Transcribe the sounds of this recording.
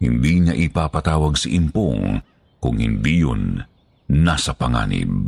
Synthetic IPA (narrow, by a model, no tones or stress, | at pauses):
hɪ̰nd̪iɲɐʔɪpapɐt̪aːwɐɡsaʔimpo̰ŋ | kʊŋhɪnd̪ijonː | asɐpɐŋa̰ːnɪ̰b